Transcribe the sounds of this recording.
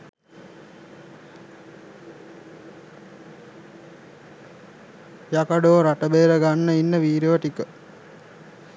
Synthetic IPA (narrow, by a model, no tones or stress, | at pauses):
jakaɖoːɾaʈəbeːɾəɡanːəinːəʋiːɾeʋəʈikə